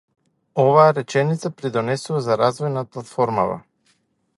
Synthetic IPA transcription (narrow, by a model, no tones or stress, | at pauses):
ɔvaːɾɛt͡ʃɛnit̪sapɾid̪ɔnɛsuvazaɾazvɔjnaplˠat̪fɔɾma̰va̰